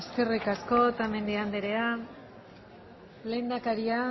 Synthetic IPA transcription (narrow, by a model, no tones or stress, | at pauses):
eske̞rikasko̞t̪ame̞nd̪iand̪eɾe̞a | le̞jnd̪akaɾia